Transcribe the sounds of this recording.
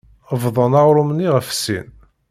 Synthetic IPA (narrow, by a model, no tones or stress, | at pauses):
əvðˤənɑʁɾˤʊmniʁəfsḭn